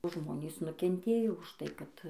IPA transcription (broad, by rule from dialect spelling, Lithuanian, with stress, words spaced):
ˈʒmoːnʲiːs nʊkʲɛnʲˈtʲeːjoː ʊʃ tɐɪ kɐt